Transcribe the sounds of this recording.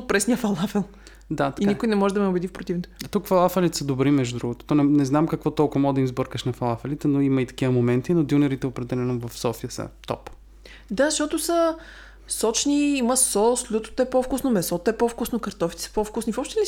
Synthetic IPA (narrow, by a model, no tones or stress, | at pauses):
t̪̚pɾɛsnijəfɐlˠafɛlˠ | d̪at̪ɐ̥inikʊjnɛmɔʒɛd̪ɐmɛʊbɛd̪ifpɾot̪ifnot̪t̪ukfɐlˠafɛlit̪ɛsəd̪obɾimɛʒd̪ud̪ɾuɡʊt̪o̥t̪ɔnɛnɛznamkɐkvɔt̪ɔlˠkʊɐɐd̪ɐimzbəɾkəʃnɐfɐlˠafɛlit̪ɛnoimɐit̪ɐ̥k̟ivəmomɛnt̪inod̪junɛɾit̪ɛopɾɛd̪ɛlɛnovɐfsɔfijəsə̰t̪ɔ̰p | d̪azʃt̪ɔt̪ʊsə | sɔt͡ʃniiməsɔslʲut̪o̥t̪oɛpɔfkusnomɛsɔt̪ɛpɔfkusnokɐɾt̪ɔfit̪ɛ̥sə̥pɔfkusnifɔpʃt̪ɛni